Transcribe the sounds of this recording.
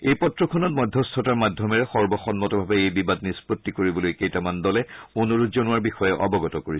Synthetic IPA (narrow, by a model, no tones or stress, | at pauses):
ejpɔtɹɔkʰɔnɔt̚mɔdʱːɔstʰɔtaɹmadʱjɔmɛɹɛxɔɹbɔxɔnmɔtɔbʱabɛejbibad̚nispotːikoɹibɔlojkejtamandɔlɛonuɹuzɔnʊwaɹbixɔjɛʔɔ̰bɔɡɔtɔkoɹisɛ̥